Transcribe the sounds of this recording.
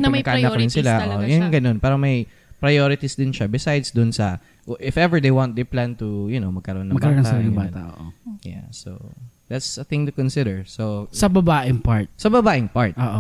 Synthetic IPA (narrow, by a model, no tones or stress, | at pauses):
nɐmɐkaʔnaɾɪnsɪlaʔojanɡɐno̞npaːɾɐmɐj | pɾɐjoɾɪt̪isd̪ɪnʃabɪsajd̪sd̪ʊnsɐ | ʔɪfʔɛvəɹd̪ejwãnt̪̚d̪ejplant̪ujʊnowmɐɡ̚kɐɾoʔonɐmɐɡbkɐɾaonːɐsɐnɐbaːt̪a̰ʔo̰ʔoja̰so̰d̪at̪sɐθɪ̃ŋt̪ʊkɔnsɪd̪ɛɹsosɐbɐbaːʔɪŋpaɹt̪̚sɐbɐbaːʔɪŋpaɹt̪ʔoʔo